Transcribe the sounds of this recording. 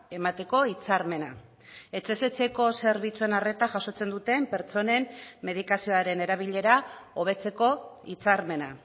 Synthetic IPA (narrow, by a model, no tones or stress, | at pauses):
e̞mat̪e̞ko̞it͡saɾme̞na | e̞t͡se̞se̞t͡se̞ko̞se̞ɾβ̞it͡sue̞nare̞t̪aʝaso̞t͡se̞nd̪ut̪e̞mpe̞ɾt͡so̞ne̞mːe̞ð̞ikasio̞aɾe̞ne̞ɾaβiʎe̞ɾao̞β̞e̞t͡se̞ko̞it͡saɾme̞na̰